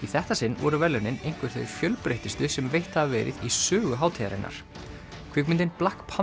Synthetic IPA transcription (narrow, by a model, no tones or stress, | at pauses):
iθɛht̪asɪnːvɔ̰ɾʏvɛlʏnɪnejŋ̥kvʏɾ̥θœ̰ɥfjœlpɾejht̪ɪst̪ʏsɛmvejht̪havvɛ̰ːɾɪ̰ðisœːɣʏɦaːwt̪ʰɛːɾa̰nːa̰ɾ̥ | kʰv̥ɪkmɪnt̪ɪnplahkpʰa